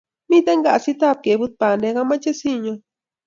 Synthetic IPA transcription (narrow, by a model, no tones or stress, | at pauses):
mit̪aŋɡaʔsit̪ap̚kebɨt̪̚paneɣamat͡ʃesiɲo